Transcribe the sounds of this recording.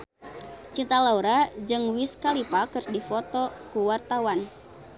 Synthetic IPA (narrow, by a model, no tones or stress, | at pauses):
t͡ʃint̪alauɾad͡ʒɨŋwiskalipakɨrsdifɔt̪ɔkuwart̪awan